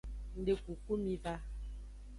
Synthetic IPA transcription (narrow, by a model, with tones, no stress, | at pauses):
n̩˦de˦ku˨ku˦mi˦va˦